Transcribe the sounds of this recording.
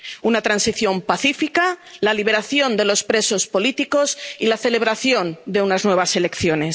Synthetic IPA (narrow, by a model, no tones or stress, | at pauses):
unat̪ɾansiθjo̞mpaθifikalaliβ̞e̞ɾaθjo̞nd̪e̞lo̞spɾe̞so̞spo̞lit̪iko̞silaθe̞le̞β̞ɾaθjo̞nd̪e̞unaznwe̞βase̞le̞kθjo̞ne̞s